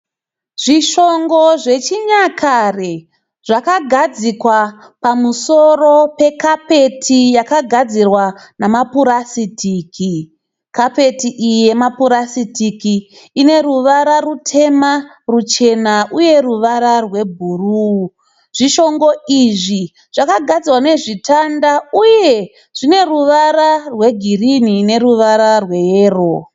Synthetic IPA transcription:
ʐ̥iʃo̞ŋɡo̞ʐe̞t͡ʃiɲakʰare | ʐ̥akaɡʱad͡zikwa | pamuso̞ro̞pe̞kape̞tʰijakaɡʱad͡zirwanamapuɾasitiːkʰi | kape̞tiʔije̞mapuɾasitikiː | ne̞ɾuʋaɾarutʰe̞ma | rut͡ʃe̞naʔuje̞ruʋaɾarwe̞bʱuru | ʐ̥iʃo̞ŋɡo̞iʐi | ʐ̥akaɡʱad͡zirwane̞ʐitʰandauje̞ | ʐ̥ine̞ruʋaɾarwe̞ɡʱirinine̞ruʋaɾarwe̞jeːro

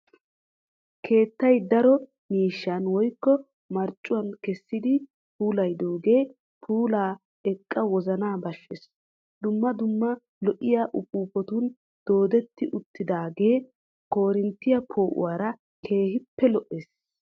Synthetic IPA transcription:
kʰe̞ːt̪ːɐjd̪ɐɾɔ | miːʃːanwɔjkːɔ | mɐɾt͡ʃʼːʊwɐnkɛsːɪd̪ɪ | puːlɐjd̪oːɡe̞ː | pʰuːlaː | ɛkʼːɐwɔzɐnaːbɐʃːɛs | d̪ʊmːɐd̪ʊmːɐ | lɔʔɪjaːʔʊpuːpɔt̪ʊn | d̪̥o̞ːd̪ɛt̪ːɪʔʊt̪ːɪd̪aːɡe̞ː | ko̞ːɾɪnt̪ːɪjɐpʰo̞ːʔʊ̰waːɾɐ | kʰe̞ːhɪpːɛlɔʔeːs

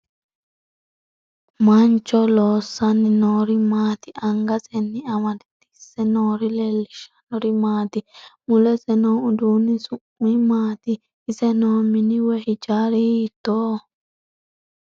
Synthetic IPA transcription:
mɐnt͡ʃːɔloːsːɐnːɪnoːɾɪmaːt̪ɪʔɐŋɡɐsɛnːɪɐmɐt̪ɪ̥t̪ːɪ̥sːɛnoːɾɪlɛlːɪʃɐ̥nɔɾɪmaːt̪ɪmʊlɛsɛnoːʊd̪unːɪsʊʔʊɪmaːt̪ɪː | sɛnoːmɪnɪwɛhɪd͡ʒaːɾɛhiːt̪ːoː

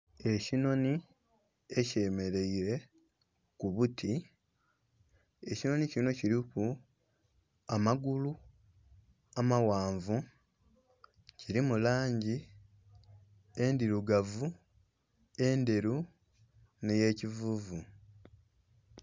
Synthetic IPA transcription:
e̞cino̞ni | e̞ce̞ːme̞ɾe̞iɾe̞ | kuβutʰi | e̞cino̞nicino̞ciɾiku | amaɡulu | amawaːɱvu | ciɾimulaːɲɟi | e̞ndiɾuɡavu | e̞nde̞ɾu | ne̞je̞ːcivuːvu

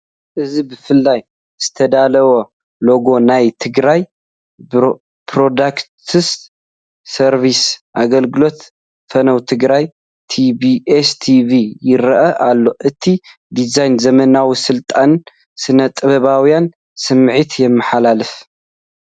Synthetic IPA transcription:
ʔɨzibɨfɨlːaj | z̥ɨt̪ʰɐd̪alɐwo | lo̞ɡo̞najt̪ʰɨɡɾaj | pɾod̪akt̪ʰɨst̪ | sɐɾvisʔaɡɐlɡɨlo̞t̪ | fɐnɐwt̪ʰɨɡɾaj | t̪ʰibiest̪ʰivijɪɾɐʔɐʔalːo̞ʔɨt̪ʰi | d̪izajnzɐmɐnawisɨlt̪ʼan | sɨnɐt̪ʼːɨβɐβawjan | sɨmːʕit̪jɛmːɨħalalɨf

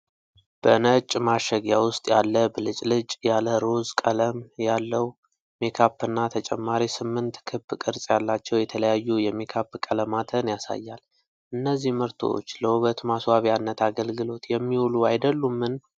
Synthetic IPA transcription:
b̥ənət͡ʃʼmaʃəɡjawʊst̪ʼjalːəbəlɨt͡ʃʼlɨt͡ʃʼjaləɾo̞zkʼələmjalːəw | mekʰapːɨnːat̪ʰət͡ʃʼɛmːaɾisɨmːɨnt̪kʰɨbːkʼɨɾsʼjalːat͡ʃːɛwjɛt̪ʰələjajːujɛmekʰapːkʼələmat̪ʰənjasa̰jːal | ʔɨnːəzːihməɾt̪ʰo̞̰t͡ʃːləuβət̪maswaβjanːət̪ʰaɡəlɡɨlo̞t̪jɛmːiwuluajd̪əlːumːɨn

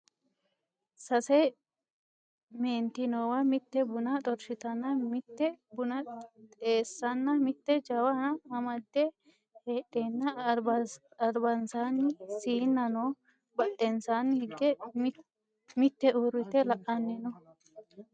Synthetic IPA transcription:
sɐsɛ | meːnt̪ɪnoːwɐmɪt̪ːɛbʊnɐt̪ʼɔɾʃɪt̪ɐnːɐmɪt̪ːɛbʊnɐt̪ʼe̞ːsːɐnːɐmɪt̪ːɛd͡ʒɐwɐnɐɐmɐd̪ːɛ | heːɗeːnːɐ | ɐɾbɐnsaːnːɪsiːnːɐnoː | bɐʔɛnsaːnːɪhɪɡːɛ | mɪt̪ːɛʔuɾɪt̪ːɛlɐʔɐnːɛnɔ

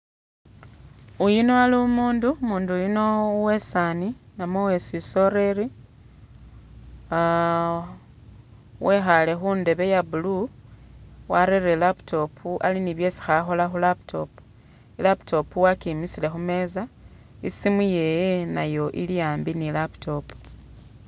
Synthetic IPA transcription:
ujino̞alimuːndumuːndujuno̞we̞saninamowe̞siso̞ɾe̞ɾi | wʔe̞xale̞xunde̞βe̞jabulu | waɾeɾelaputʰo̞pʰuʔaliniβje̞ːsi̥xaxo̞laxulaptʰo̞pu̥ | ilaptʰo̞puwakimisile̞xume̞ːza | isimuje̞jena̰jo̞ʔḭlijaːmbinilaptʰo̞pu̥

